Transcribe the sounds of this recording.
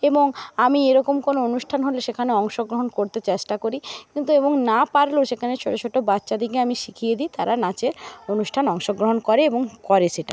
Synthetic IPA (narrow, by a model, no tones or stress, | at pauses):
eboŋamieɾɔkomkonoonuʃʈʰanɦoleʃekʰaneɔŋʃoɡɾoɦonkoɾt̪et͡ɕeʃʈakoɾikint̪ueboŋnapaɾloʃekʰanet͡ɕʰoɾet͡ɕʰoʈːobatːɕad̪ikeamiʃikʰijed̪it̪aɾanat͡ɕeɾonuʃʈʰanɔŋʃoɡɾoɦonkɔɾeeboŋkɔɾeʃeʈa̰